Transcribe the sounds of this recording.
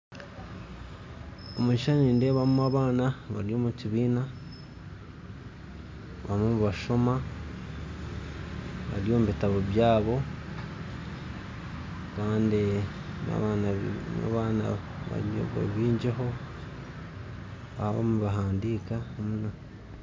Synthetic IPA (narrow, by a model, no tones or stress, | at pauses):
omuʃaniːnde̞βamuaβaːnaβaɾjo̞ːmuciβiːna | βamomuβaʃo̞ma | βa̰ɾjo̞ːmuβitaβoβjaːβo̞ | kaːndi | na̰βanana̰βaːna̰ | βa̰βa̰βiːɲd͡ʒeɦo̞ | βaβo̰muβaɦaːndikaomuna